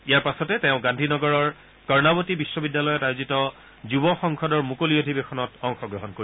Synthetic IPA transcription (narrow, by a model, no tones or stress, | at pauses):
ijaɹpasɔtɛteʊ̃ɡãndʱinɔɡɔɹɔɹ | kɔɹnabotibisːɔbidːjalɔjɔtajozitɔ | zubɔxɔŋkʰɔdɔɹmukoliodʱibexʰɔnɔtɔŋxɔɡɹɔɦɔnkoi